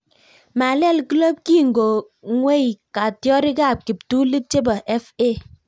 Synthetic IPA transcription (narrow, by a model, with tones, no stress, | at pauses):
ma˨lɛ˦˨lki˦lo˦p̚ki˦˨ŋɡo˨ | ŋwe˦i˨ka˨tjɔ˦ɾi˦ka˦˨p̚ki˨p̚tu˦li˦t͡ʃe˦ba˨ʔɛ˦fe˦˨